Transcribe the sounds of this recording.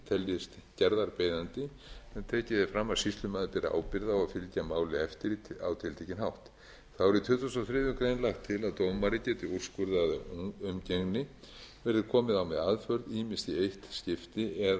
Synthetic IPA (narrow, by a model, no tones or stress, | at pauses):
t̪ʰɛljɪst̪cɛɾðaɾpeːjðant̪ɪ | ɛt̪ʰɛːcɪðɪfɾamːḁsist̪lʏmaːðɪpɛːɾaa̰ːwpɪɾðawaðfɪlcamaːwlɪɛft̪ɪɾa̰wt̪ʰɪlt̪ʰecɪnhawht̪ | θawvɛɾit̪ʰʏt̪θusawθɾɪːðʏmkɾejnlaxt̪ʰːɪlaðt̪owmaɾɪcɛːt̪ɪur̥skʏɾðaðʏmceŋnɪ | vɛɾðɪkʰɔːmɪðawmɛðaːðfœɾðiːmɪnst̪iejht̪scɪft̪ɪɛð